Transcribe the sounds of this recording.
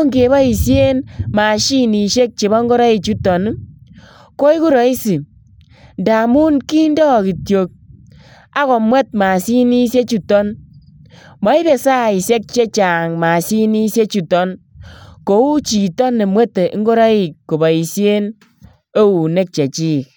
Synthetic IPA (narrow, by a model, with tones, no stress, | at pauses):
ŋɡe˨˦bɔ˦i˨sje˦nma˨ʃi˦ni˨ʃe˦k̚t͡ʃe˨bɔ˦ŋɡo˦ɾa˦i˨t͡ʃu˦tɔ˨n˦ | ko˦i˦ku˦ɾɔ˨˦i˦si˨ | nda˨mu˦nki˦ndɔ˦˨ki˨tjo˨k̚ | a˦kɔ˨mwɛ˦t̚ma˨si˦ni˦sje˦t͡ʃu˦tɔ˦n | mɔ˦i˦be˨sa˦˨i˨se˦k̚t͡ʃe˦t͡ʃa˨ŋma˨si˦ni˦sje˦t͡ʃu˦tɔ˦n | ko˨u˦t͡ʃi˨tɔ˦nːe˨mwe˦te˨˦ŋ˦ɡo˦ɾa˦i˨kkːo˨bɔ˨i˨sje˦n | e˦u˨ne˦k̚t͡ʃe˨t͡ʃi˦˨k̚